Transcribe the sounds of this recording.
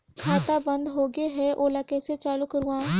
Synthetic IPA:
kʰaːt̪aːbənd̪ɦoːɡeːɦɛʔoːlaːkɛːset͡ʃaːlukəɾuãː

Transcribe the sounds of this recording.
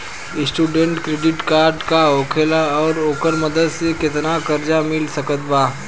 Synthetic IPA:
ɪsʈuːɖẽɳʈkɾeːɖɪʈkaːɾɖkaoːkʰelaɔːɾoːkəɾməd̪əd̪sekɪt̪nakəɾd͡ʒamɪlsɐkət̪baː

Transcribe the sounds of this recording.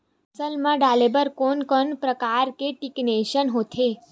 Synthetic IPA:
səlmãɖalebəɾkonkənpɾəkaɾkeʈikneʃənɦot̪ʰe

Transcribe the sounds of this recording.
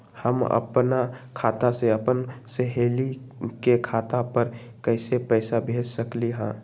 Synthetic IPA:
həmə̰pnakʰaːt̪aseəpənseɦeːlikekʰaːt̪apəɾ | kəɪsepɛɪsabʱeːd͡ʒsəkliɦɛ̃ː

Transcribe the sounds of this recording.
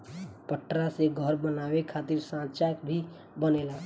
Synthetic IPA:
pəʈɾaseɡʱəɾbənaːwekʰaːt̪ɪɾsãːt͡ʃaːjək̚bʱi | bəneːlaː

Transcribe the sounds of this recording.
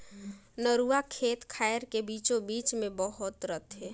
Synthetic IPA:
nəɾuakʰeːt̪kʰaːjɾkebiːt͡ʃõbiːt͡ʃmẽbəɦʊt̪ɾət̪ʰɦɛ

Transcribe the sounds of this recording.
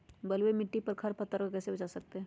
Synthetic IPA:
bɐlwemɪʈːipɐɾkʰɐɾpɐt̪ːəɾkakɛːsebɐt͡ʃasɐk̚t̪eɦɛː

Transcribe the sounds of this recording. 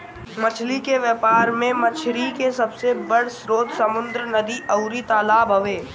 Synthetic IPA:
mɐt͡ʃʰlikeʋjəːpaːɾmẽmɐt͡ʃʰɾikesɐbsebɐɽsɾoːd̪sɐmʊ̃nd̪ɾənɐd̪iʔɐʊɾit̪aːlaːbʱɦɐʋeː

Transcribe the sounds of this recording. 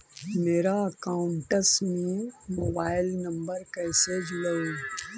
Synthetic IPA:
meːɾaɐkaːʊɳʈəsmimoːbaːɪlnəmbəɾkɐːsed͡ʒʊləu

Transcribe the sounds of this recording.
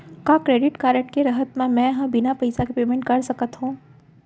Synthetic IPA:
kakɾeːɖɪʈkaːɾəʈ̚keɾɐɦət̪mẽmɛ̃ɦãbɪnapɐjsakepeːmẽɳʈ̚kɐɾsɐkət̪ɦũː

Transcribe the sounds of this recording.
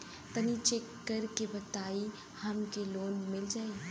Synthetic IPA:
t̪ənit͡ʃekːəɾkebət̪aːi | həmkeloːnmɪld͡ʒaːi

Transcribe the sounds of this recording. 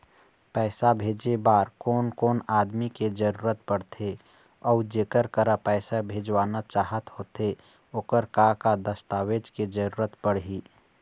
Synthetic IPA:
pɛːɪsabʱeːd͡ʒebaːɾkoːnkoːnaːd̪miked͡ʒəɾuːɾət̪̚pəɽt̪ʰe | ɔud͡ʒeːkəɾkəɾapɛɪsabʱeːd͡ʒwaːnat͡ʃaːɦət̪hoːt̪e | oːkəɾkakad̪əst̪aːweːd͡ʒked͡ʒəɾuːɾət̪pəɽɦiː

